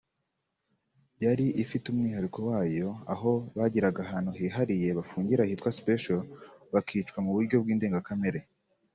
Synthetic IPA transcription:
jaɾiʔifitumŋiːhaɾikʰo̞waːjo̞a̰ɦo̞βaɟiɾaɡaɦaːn̥huɦiːɦaɾije̞βafuːɲɟiɾahitwaspeʃoβakʰiːt͡ʃwamuβuɾɟo̞b̚ɡiːndeːŋɡakame̞ɾe

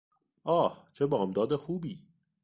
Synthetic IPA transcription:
ʔɒːht͡ʃʰebɒːmd̪ɒːd̪exuːbiː

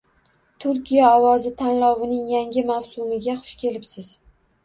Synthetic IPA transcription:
t̪ʰʊɾkʲijaɒwɒzɪt̪ʰanlɒwɪnɪŋjaŋɡʲɪmawsʊmɪɡʲaχʊ̥ʃkʲʰe̞lɪpsɪz̥

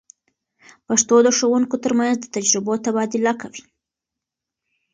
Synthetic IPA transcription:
paʂt̪od̪əʂowuŋkot̪əɾmanzd̪ət̪ad͡ʒɾɪbot̪abɑd̪ɪlakawi

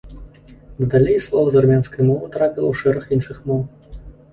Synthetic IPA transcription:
d̪ɐd̪alʲejslˠɔvɐzarmʲanskɐjmɔvɨt̪ɾapʲilˠɐwʂɛɾɐxinʂɨxmɔw

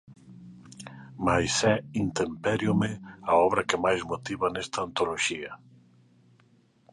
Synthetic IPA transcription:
majsɛint̪empɛɾjomeaɔβɾɐkemajzmot̪iβanɛst̪aːnt̪oloʃiɐ

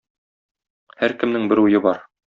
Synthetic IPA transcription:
hæɾkɘ̆mnɘŋbɘɾujɤbɒɾ

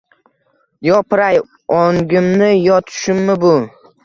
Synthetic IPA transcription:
jɒpɾaj | ɒŋɡʲɪmnɪjɒt̪ʰɪ̥ʃɪmːɪbʊ

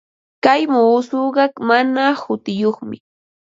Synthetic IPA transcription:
kajmuːsoɢɑkmanahʊt̪ɪjoχmɪ̰

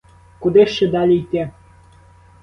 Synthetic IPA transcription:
kud̪eʃːĕd̪ɑlʲit̪ʲe

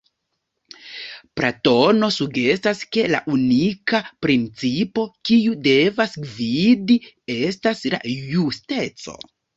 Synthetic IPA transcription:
pɾato̞no̞suɡe̞staske̞la̰ʔunikapɾint͡sipo̞kiude̞vasɡvidi | e̞stasla̰juste̞t͡so̞̰

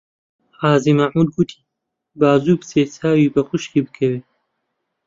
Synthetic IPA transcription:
ħaːzimaʕmud̪̚ɡut̪ʰi̥ː | baːzuːbseːt͡sʰaːwiːbɐxʊʃkiːbɨkʰɐweː

